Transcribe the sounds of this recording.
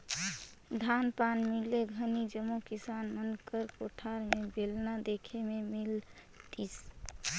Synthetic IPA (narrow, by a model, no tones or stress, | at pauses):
d̪ʱanpanmilːeɡʱənid͡ʒəmːukisanmənkəɾkoʈʰaɾmebelnad̪ekʰememil | t̪is